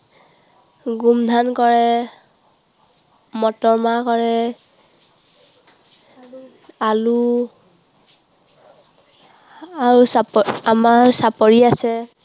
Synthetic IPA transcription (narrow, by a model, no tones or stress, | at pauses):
ɡumdʱankɔɹɛ | mɔtɔɹmakɔɹɛ | alu | aɹusamaɹsapɔɹiasɛ